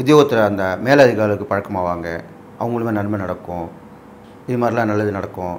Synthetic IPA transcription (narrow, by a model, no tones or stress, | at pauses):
ʊðɪjoːɣɐt̪ːɪɾɐɐnd̪ɐmeːlɐðɪɣaːlɐɯkːɯpɐɻɐkːɐmaːʋaːŋɡɐ | ʔɐʋɐŋɡɐɭɯmẽːnɐnmɐnɐɽɐkːʊ̃ | ɪðɯmaːdɾɪlãːnɐlːɐðɯnɐɽɐkːʊ̃